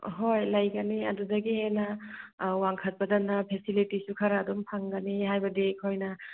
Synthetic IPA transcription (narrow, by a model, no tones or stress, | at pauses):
ɦojlɐjɡɐniɐ̰dudɐɡihenɐ | waŋkʰɐt̚pɐdɐnɐpʰesilitisukʰɐɾaːdumpʰaŋɡɐnihajbɐdikʰojnɐ